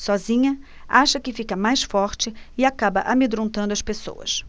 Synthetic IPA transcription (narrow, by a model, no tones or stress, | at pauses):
sɔzĩɲɐ | aʃɐkɪfikɐmajsfɔɾt͡ʃɪɪakabɐʔamed̪ɾõnt̪ɐ̃nd̪ʊɐspeso̰wɐ̰s